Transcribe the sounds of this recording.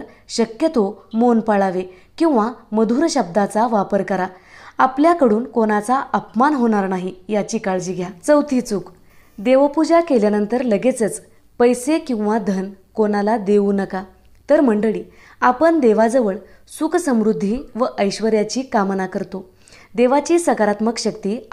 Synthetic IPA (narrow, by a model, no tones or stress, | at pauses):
ɾ | ɕəkjət̪omonpaɭaʋe | kĩw̃ʋaməd̪ʱuːɾɕəb̚d̪at͡saʋapəɾkəɾaapljakəɽuːnkonat͡saʔəpmanɦoɽ̃aɾnaɦijat͡ɕiːkaɭd͡ʑiːɡʱjat͡səwt̪ʰiːt͡suk | d̪eʋəpud͡ʑakeljanənt̪əɾləɡet͡sət͡s | pəjsekĩw̃ʋad̪ʱənkonalad̪euːnəka | t̪əɾm̤əɳɖəɭiː | apənd̪eʋad͡zəʋəɭ | suksəmɾud̪ʱːiʋəʔəjɕʋəɾjat͡ɕiːkamnakəɾt̪o | d̪eʋat͡ɕiːsəkaɾat̪məkɕəkt̪iː